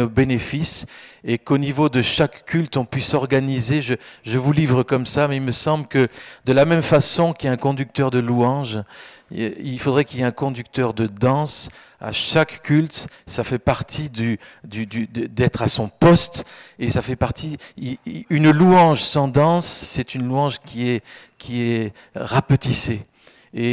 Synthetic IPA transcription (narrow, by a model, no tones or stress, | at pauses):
obenefisekonivod̪əʃakːʰʲylt̪ɔ̃pɥisɔʁɡanizeʒəʒəvulivʁəkɔmsamɛilməsɑ̃bləkəd̪əlamɛmfasɔ̃kʲiɛɛ̃kɔ̃d̪yk̚t̪œʁd̪əluɑ̃ʒ | ilfod̪ʁɛkʲileɛ̃kɔ̃d̪yk̚t̪œʁd̪əd̪ɑ̃s | a̰ʃakːʲylt̪safɛpaʁt̪ʰid̪yd̪yd̪yd̪əd̪ɛt̪χasɔ̃pɔst̪esafɛpaʁt̪ʰi | ynluɑ̃ʒsɑ̃d̪ɑ̃sːɛt̪ynluɑ̃ʒkʲʰiɛ | kʲʰiɛ | ʁapət̪ise | e